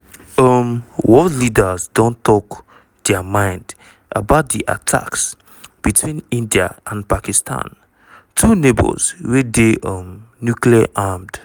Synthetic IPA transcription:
ʌmwɔtlidəzdõntɔk | d̥ɛamãɪ̃nd | ʔabaʊt̚diʔa̰tʰa̰ks | b̥itʰwĩnĩndia̰ʔãnpakistʰã̰n | tʰunebə̰lzwedeʔʌm | njukliaʔamd̥

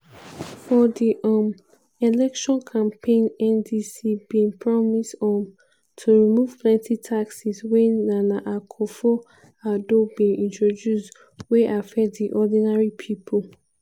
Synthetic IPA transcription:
fɔdiʔɔm | elɛkʃɔ̃nkʰãmpʰẽɪ̃nɛ̃ndisibĩnpʰɹɔmistɔm | tʰuɹimuv̥plɛ̃ntʰitʰaksiswɛnanaʔakʰɔfɔ | adobĩnĩntɹodjusd | weʔafɛtdiʔɔdĩnaɹipʰipʰol

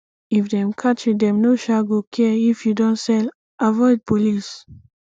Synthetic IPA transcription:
ifdɛ̃mkʰat͡ʃĩdɛ̃mnoʃaɡokʰɛifjudɔ̃nsɛl | ʔavɔɪd̚polis

